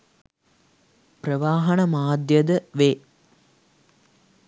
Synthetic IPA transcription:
prəʋaːɦɐnɐmaːd̪jəd̪əʋeː

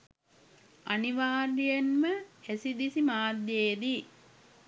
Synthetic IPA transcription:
ɐniʋaːɾijɐnməhæsid̪isimaːd̪jeːd̪i

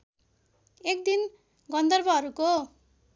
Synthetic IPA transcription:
ekd̪in | ɡʌnd̪ʌrbʌɦʌɾuko

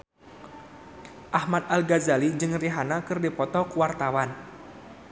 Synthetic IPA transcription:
ʔahmat̪̚alɡazalid͡ʒɨŋriɦanakɨrdipɔt̪ɔkuwart̪awan

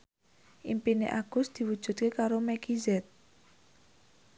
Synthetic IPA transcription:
ʔimpinḛʔaɡ̥ʊ̤sd̪̥i̤wud̥ʒ̥ṳt̪̚kekaɾomɛɡizɛt̪̚

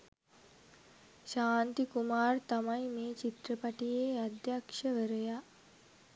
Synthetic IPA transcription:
ɕaːnt̪ikumaːɾt̪ɐmaimet͡ɕit̪ɾəpaʈijead̪jakʂəʋəɾja

